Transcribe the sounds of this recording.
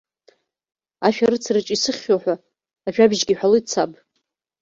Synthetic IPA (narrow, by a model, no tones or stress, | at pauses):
aʃᶣaɾɨt͡sʰrɨt͡ʃʼisɨχʲoħʷᶣaː | ʒᶣabʒɡʲiħʷᶣaloit͡sʰapʼ